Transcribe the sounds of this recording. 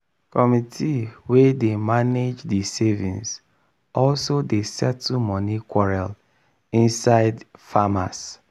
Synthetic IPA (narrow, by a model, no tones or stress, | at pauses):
kɔmitʰiwedemaned͡ʒdisevḭ̃ns | ɔlsodesɛtːumɔnikwɔɹal | ĩnsaɪdfama̰s